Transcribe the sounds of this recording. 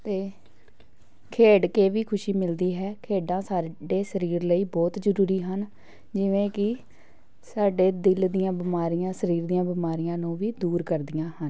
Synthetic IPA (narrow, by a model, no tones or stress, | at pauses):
t̪eː | kʰeːɖkeːʋiːkʰʊʃiːmɪld̪iːɦɛːkʰeːɖãːsaːɖeːsəɾiːɾləiːbɔːt̪d͡ʒəɾuːɾiːɦən | d͡ʒɪʋẽːkɪ | saːɖeːd̪ɪld̪ijãːbɪmaːɾijãːsəɾiːɾd̪ijãːbɪmaːɾɪjãːnũːʋiːd̪uːɾkəɾd̪ɪjãːhən